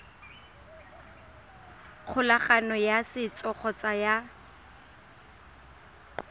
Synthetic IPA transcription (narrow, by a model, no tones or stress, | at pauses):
k͡xʰʊlaχanɔjasɪt͡sɔχʰɔt͡saja